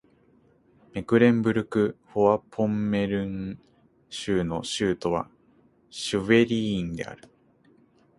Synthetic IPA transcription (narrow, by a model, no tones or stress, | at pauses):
me̞kɯ̟ɾẽ̞mbɯ̟ɾɯ̟kɯ̟hoβapʰõ̞mːe̞ɾɯ̟̃ŋ | ɕɨːno̞ɕɨːt̪o̞βa̰ | ɕɨβe̞ɾʲĩːnd̪e̞̰a̰ɾɯ̟